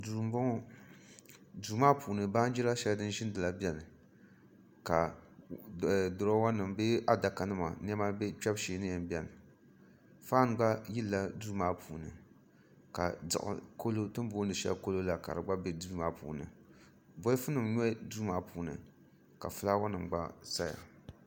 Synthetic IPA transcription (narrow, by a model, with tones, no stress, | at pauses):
duː˨m˦bɔ˦ŋɔ˦ | du˨maː˦puː˨nɨ˨ba˦n˦d͡ʒi˦ɾa˦ʃɛ˦ldɨ˦n˦ʒɪ˦n˦dɨ˨la˦bʲɛ˨lɨ˨ | ka˨ | dʊ˨ɾa˦wa˦nɨ˨mbe˦a˦da˨ka˨nɨ˦ma̰˨n˦ɛ˦ma˦be˦t͡ʃɛ˦bʃeː˨˦nɨ˦jɛ˨m˦bi˦ɛ˨l | faː˦n˨ɡ͡ba˦ji˦lːa˦duː˦maː˦pʰuː˨nɨ̰˨ | ka̰˨dɨ̰˨ʔɨ̰˨ko˦lo˦tɨ˦m˦boː˦ndɨ˨ʃɛ̰˦lko˦lo˦la˨ka̰˨ɾɨ˨ɡ͡ba˦be˦duː˦maː˦pṵː˨nɨ̰˨ | bɔ˦fɨ˦nɨ˨mɲɔ˦duː˦maː˦puː˨nɨ̰˨ | ka̰˨fɨ˦la˦wa˦nɨ˨m˨ɡ͡ba̰˦sa˦ja̰˨